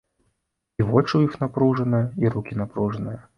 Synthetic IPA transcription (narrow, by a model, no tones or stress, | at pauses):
ivɔt͡ʂɨjixnapɾuʐɐnɐjɐiɾukʲinapɾuʐɐnɨjɐ